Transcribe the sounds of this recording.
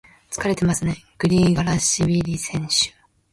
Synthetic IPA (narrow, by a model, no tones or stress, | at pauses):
t͡sɨ̥kaɾe̞t̪emasɨne̞ɡ̥ɯ̟ɾʲiːɡaɾaɕibʲiɾʲisẽ̞ɰ̃ɕɨ̥